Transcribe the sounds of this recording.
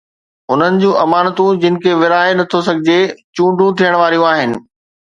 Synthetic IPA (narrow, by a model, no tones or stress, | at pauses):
ʊn̤ənɪ̆d͡ʑũːʔɐmaːnət̪ũd͡ʑɪnɪ̆kʰeʋɪɾaːenɐt̪ʰosɐɡʱɪd͡ʑet͡ɕũːɳɖʱũt̪ʰijəɽ̃ʋaːɾijũaːɦɪnɪ̆